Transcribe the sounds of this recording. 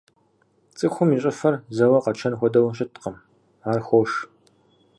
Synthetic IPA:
t͡sʼɨxʷʊmiːɕʼɐfɐrzɐwɐqɐt͡ʃʰɐnxʷɔdɐwɐɕʼɪtʰqɐm | aːrxʷowʂ

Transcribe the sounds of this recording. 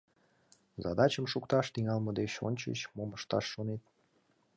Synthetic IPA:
zɑ̰d̪ɑt͡ɕəmʃukt̪ɑʃt̪iŋɑlməd̪et͡ɕo̰nʲt͡ɕə̰t͡ɕmoməʃt̪ɑʃːonet̪̚

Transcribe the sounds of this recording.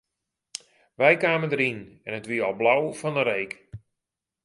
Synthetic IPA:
ʋɛjkaːməndəɾinɛnətʋiəɔlˠblawfɔndəɾejk

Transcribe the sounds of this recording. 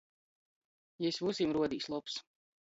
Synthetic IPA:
jɛsvusimɾuɔd̪iːslˠups

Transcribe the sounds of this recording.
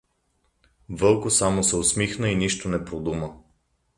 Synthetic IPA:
vɤlˠkosamosɛosmixnəiniʃt̪onɛpɾod̪umə

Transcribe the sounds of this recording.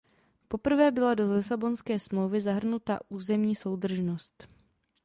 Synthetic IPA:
po̞pr̩vɛːbɪlado̞lɪsabo̞nskɛːsmlo̞wvɪzaɦr̩nut̪a̰ʔuːzɛmɲiːso̞wdr̩ʒno̞st̪

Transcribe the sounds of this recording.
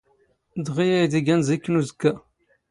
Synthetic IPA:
d̪ʁijæjd̪iɡænzikːnuzəkːæ

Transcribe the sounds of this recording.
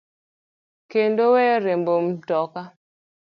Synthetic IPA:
kendowɛɾembom̩tɔka

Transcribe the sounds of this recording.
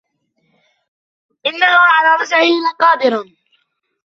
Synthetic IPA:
ʔɪnːahʊʕalaːɾˤɑsʕɪhɪnqɑːd̪ɪɾ

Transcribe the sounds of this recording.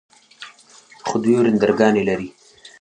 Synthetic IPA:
χʊd̪woɾɪnd̪aɾɡɑːnelaɾi

